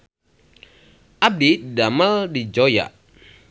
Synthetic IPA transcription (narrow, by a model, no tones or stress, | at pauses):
ʔab̚didaməldid͡ʒoja̰ʔ